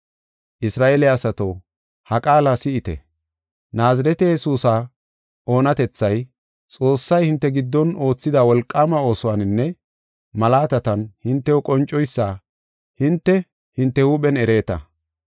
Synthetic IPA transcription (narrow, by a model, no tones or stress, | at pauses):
ʔɪsɾaːʔeːlɪaːsɐt̪oː | hɐkʼaːlasɪɪt̪ɛ̰ | naːzɐɾɛt̪ɛjɛsuːsa | o̞ːnɐt̪ɛt͡sːɐj | t͡sʼo̞ːsːɐjhɪnt̪ːɛɡɪd̪ːɔno̞ːt͡sːɪd̪awɔlkʼːamɐo̞ːsɔwaːnɪnːɛ | mɐlaːt̪ɐt̪ɐnhɪnt̪ːɛwɔkʼɔnt͡ʃʼːɔjsːaː | hɪnt̪ːɛ | hɪnt̪ːɛhuːɓɛnɛɾe̞ːt̪ɐ̰